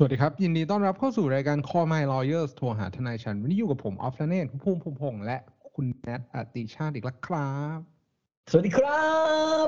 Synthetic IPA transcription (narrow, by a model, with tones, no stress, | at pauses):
su˨˩t̪̚diː˧kɾa˦˥p̚ji˧ndiː˧t̪̬ɔː˥˩nɾa˦˥p̚kʰa˥˩wsuː˨˩ɾaː˧jkaː˧nkʰɔː˧maː˧jlɔː˧jɤː˥˩st̪ʰu˧ɐɦa̰ː˩˦t̪ʰa˧naː˧jt͡ɕʰa˦˥n˦˥niː˥˩juː˨˩a˨˩pʰːo˩˦mʔɔ̰ː˦˥p̚ʰlaː˧˥neː˥˩nkʰu˦˥pʰuː˧mpʰuː˧mpʰo˧ŋlɛ˦˥ʔkʰu˧nːɛ˦˥t̪̚ʔa˨˧˩t̪i˧t͡ɕʰaː˥˩ʔiː˨˩k̚la˦˥˩kʰɾa˦˥p̚ | so˨˩t̚diː˧kʰɾa˦˥